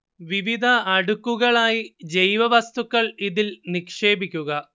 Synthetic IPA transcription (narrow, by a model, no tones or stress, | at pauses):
ʋiʋid̪ʱɐːɽukːuɣɐɭaːjid͡ʑejʋɐʋɐst̪ukːɐɭiðilnikʂe̞ːbikʲːuɣɐ